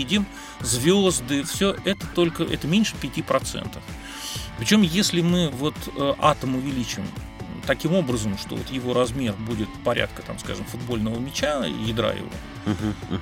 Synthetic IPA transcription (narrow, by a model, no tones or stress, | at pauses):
idʲɪm | zvʲozd̪ɨfsʲoʔɛt̪ət̪o̞lʲkəʔɛ̰t̪əmʲenʲʂɨ̥pʲɪtʲipɾɐt̪sɛ̰nt̪əf | pɾʲɪt͡ɕo̞mjesʲlʲɪmɨvo̞t̪əʔat̪əmʊvʲɪlʲit͡ɕɪɪm | t̪ɐkʲimo̞bɾəzəmʂt̪ovo̰t̪jɪvo̞ɾɐzmʲe̞rbudʲɪt̪̚pɐɾʲʔa̰t̪̚kət̪a̰mska̰ʐɨmfʊd̪bo̞lʲnəvəmʲɪt͡ɕajɪd̪ɾa̰jɪ̰vo̰